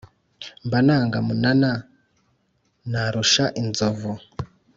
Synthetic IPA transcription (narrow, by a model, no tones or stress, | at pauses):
mbanaːŋɡamunana | naɾuʃaʔinzovu